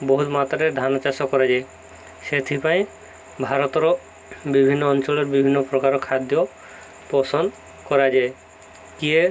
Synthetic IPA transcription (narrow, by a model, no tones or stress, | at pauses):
boɦut̪mat̪aɾed̪ʱanat͡ʃasɔkɔɾad͡ʒae | ʃet̪ʰipaj̃ | bʱaɾɔt̪ɔɾɔ | bibʱinːɔɔnt͡ʃɔleɾbibʱinːɔpɾɔkaɾɔkʰad̪jɔ | pɔsɔn | kɔɾad͡ʒae | kie